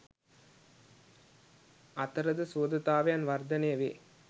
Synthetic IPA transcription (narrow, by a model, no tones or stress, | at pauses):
ɐt̪ːɐɾɐðɯsoːd̪ɐt̪ːaːʋeɐnʋɐɾd̪ɐneːʋi